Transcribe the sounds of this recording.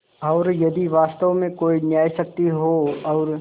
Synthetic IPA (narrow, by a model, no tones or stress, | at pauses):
ɔʊɾjɐd̪iʋaːst̪əʋomẽkoːinjaːisɐk̚t̪iɦoɔːɾ